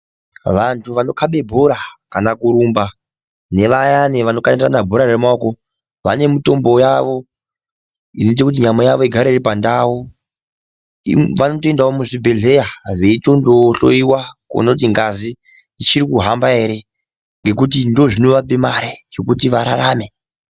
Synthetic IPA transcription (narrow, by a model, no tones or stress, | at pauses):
ʋantʰuʋano̞kaɓe̞bʱoɾakanakuɾuːmba | ne̞ʋajaneʋano̞kanndranabʱo̞ɾaɾemaoko̞ | ʋa̰ne̞muto̞mbo̞jaʋo̞ | inoit̬ekut̬iɲamojaʋo̞iɡʱaɾaiɾipandawu | ʋanotoendaomuʐibʱe̞ɮe̞jaʐeito̞ndoɬo̰jiwako̰nout̬iŋɡaziː | t͡ʃiɾikuɦambae̞ɾe̞ | ŋɡe̞k̬ut̬indo̞ʐino̞ʋapemaɾejo̞kutiʋaɾa̰ɾaːme̞